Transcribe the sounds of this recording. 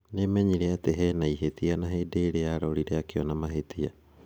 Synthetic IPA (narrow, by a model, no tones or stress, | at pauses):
nemɛɲiɾeateɦɛnaiɦet̪ianaɦedeɾeaɾɔɾiɾeakeɔnamaɦet̪ia